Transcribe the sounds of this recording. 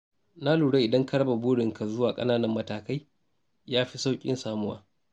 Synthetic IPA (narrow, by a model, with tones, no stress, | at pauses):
na˦luː˨ɽe˦ʔɪ˨dɐ˦ŋkɐ˦ɽɐ˦ba˨buː˦ɽɪ˨ŋka˨zʊ˦waː˨kʼɐ̰˦naː˦nɐ˦mːɐ˦taː˨ka˦j | jaː˦ɸi˦sa˦wkʲʼɪ̰˦nsaː˦mʊ˦waː˦